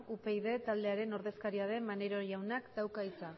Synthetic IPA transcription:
upe̞jðe̞t̪ald̪e̞aɾe̞no̞ɾðe̞skaɾiað̞e̞mmaneɾo̞jawnakd̪awkait͡sa

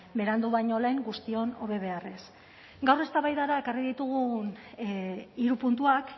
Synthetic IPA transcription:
be̞ɾand̪uβajɲo̞le̞ŋɡust̪io̞no̞βe̞β̞e̞are̞s | ɡawre̞st̪aβajðaɾae̞kariðit̪uɣ̞un | iɾupunt̪uak

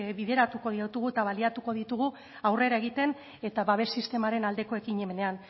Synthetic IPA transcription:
biðe̞ɾat̪uko̞ðit̪uɣ̞uet̪aβ̞aliat̪uko̞ð̞it̪uɣ̞u | awre̞ɾae̞ɣit̪e̞n | e̞t̪aβaβe̞sist̪e̞maɾe̞nald̪e̞ko̞e̞kiɲemene̞an

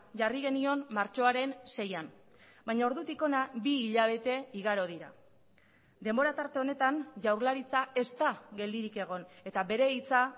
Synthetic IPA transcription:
ʝariɣ̞e̞nio̞nmaɾt͡ʃo̞aɾe̞nse̞jan | bajɲao̞ɾðut̪iko̞nabiːʎaβ̞e̞t̪e̞iɣaɾo̞ð̞iɾa̰ | d̪e̞mbo̞ɾat̪aɾt̪e̞o̞ne̞t̪anʝawɾlaɾit͡sae̞st̪aɣe̞ld̪iɾike̞ɣ̞o̞ne̞t̪aβe̞ɾe̞it͡sa

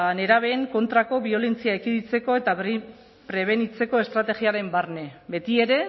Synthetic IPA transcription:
ne̞ɾaβ̞e̞ːŋko̞nt̪ɾako̞βio̞le̞nt͡siaekiðit͡se̞ko̞e̞t̪ai | pɾe̞β̞e̞nit͡se̞ko̞e̞st̪ɾat̪e̞ɣiaɾe̞mbarne̞be̞t̪ie̞ɾe̞

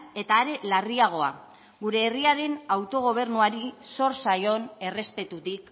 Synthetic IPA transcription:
e̞t̪aːɾe̞lariaɣ̞o̞a̰ | ɣuɾe̞ːriaɾe̞nawt̪o̞ɣ̞o̞β̞e̞ɾnuaɾiso̞ɾsajo̞ne̞re̞spe̞t̪ut̪ik

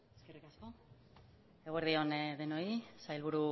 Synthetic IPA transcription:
eskerikasko̞ | eɣeɾðio̞nðe̞no̞isajlβuɾu

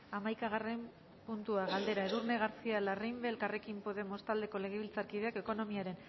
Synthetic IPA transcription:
amajkaɣare̞m | punt̪uaɣald̪e̞ɾae̞ðurne̞ɣ̞aɾt͡sialarimbelkare̞kimpo̞ðe̞mo̞st̪ald̪e̞ko̞le̞ɣeβilt͡saɾkiðe̞ake̞ko̞no̞miaɾe̞n

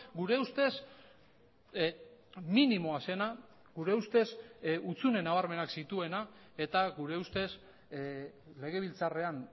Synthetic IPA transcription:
ɡuɾe̞ust̪e̞s | minimo̞ase̞na | ɡuɾe̞ust̪e̞sut͡sune̞naβaɾme̞naksit̪ue̞na | e̞t̪aɡuɾe̞ust̪e̞s | le̞ɣ̞e̞β̞ilt͡sare̞an

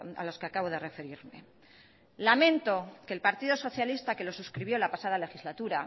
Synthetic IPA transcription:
a̰lo̞skeakaβo̞ð̞e̞re̞fe̞ɾiɾme̞̰ | lamẽ̞nt̪o̞ke̞ːlpaɾt̪iðo̞so̞θjalist̪ake̞lo̞suskɾiβjo̞lapasað̞ale̞xizlat̪uɾa

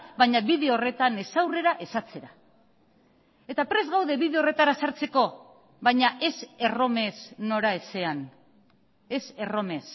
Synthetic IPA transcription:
bajɲaβiðe̞o̞re̞t̪ane̞sawre̞ɾaʔe̞sat͡se̞ɾa | e̞t̪apɾe̞zɣawðe̞βiðe̞ore̞t̪aɾasaɾt͡se̞ko̞ | βajɲaʔe̞se̞ro̞me̞sno̞ɾaese̞an | e̞se̞ro̞me̞s

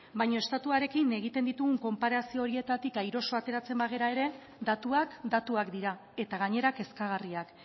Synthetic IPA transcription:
bajɲo̞e̞st̪at̪uaɾe̞kine̞ɣ̞it̪e̞nd̪it̪uɣuŋko̞mpaɾasio̞ːɾie̞t̪at̪ikajɾo̞so̞at̪e̞ɾat͡se̞mbaɣ̞e̞ɾae̞ɾe̞ | d̪at̪uakd̪at̪uakd̪iɾa | e̞t̪aɣaɲe̞ɾake̞skaɣ̞ariak

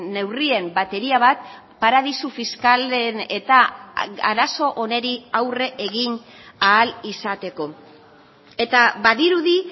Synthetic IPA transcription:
ne̞wrie̞mbat̪e̞ɾiaβ̞at̪̚ | paɾað̞isufiskalene̞t̪aa̰ɾaso̞ʔone̞ɾiawre̞ʔeɣinaːlisat̪e̞ko̞ | e̞t̪aβaðiɾuði

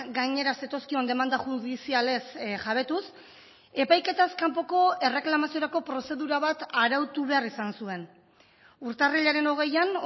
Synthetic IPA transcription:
ɡajɲe̞ɾase̞t̪o̞skio̞nd̪e̞mand̪aʝuðisiale̞sʝaβe̞t̪us | e̞pajke̞t̪askampo̞ko̞e̞re̞klamasio̞ɾako̞pɾo̞se̞ðuɾaβat̪aɾawt̪uβe̞arisansue̞n | uɾt̪areʎaɾe̞no̞ɣ̞e̞jan

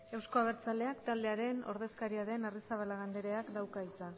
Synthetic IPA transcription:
e̞wsko̞aβ̞e̞ɾt͡sald̪e̞akt̪ald̪eaɾe̞no̞̰ɾðe̞skaɾiaðe̞narisaβ̞alaɣand̪e̞ɾe̞akd̪awkaisan

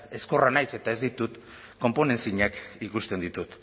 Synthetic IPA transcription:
e̞sko̞ranajse̞t̪ae̞zd̪it̪ut̪ | ko̞mpo̞ne̞nsiɲakikust̪e̞nd̪it̪ut̪

